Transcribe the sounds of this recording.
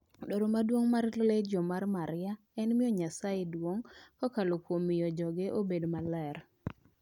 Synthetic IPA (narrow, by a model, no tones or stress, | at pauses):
doɾomadwoŋmarleled͡ʒɔmarmaɾɪja | ɛnmɪɔɲasajedwoŋkɔkalokwomijɔd͡ʒɔɡeʔobedmalɛɾ